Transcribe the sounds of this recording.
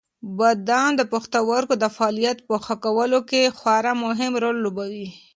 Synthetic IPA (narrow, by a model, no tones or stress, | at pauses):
bad̪ɑnd̪əpʊxt̪awaɾkod̪əfaɑːlijat̪̚pəxakawəlokexwaɾamʊɦɪmɾolːobawi